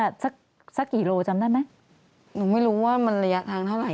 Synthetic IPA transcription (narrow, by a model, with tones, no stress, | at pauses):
a˥˩sa˦˥k̚ | sa˦˥kːiː˨˩loː˧t͡ɕa˧mdaː˥˩jma˦˥j | nɯ˨˩˦ma˥˩jɾuː˦˥waː˥˩ma˧nɾa˧ja˦˥t̪ʰaː˧ŋt̪ʰa˥˩wɾa˨˩˦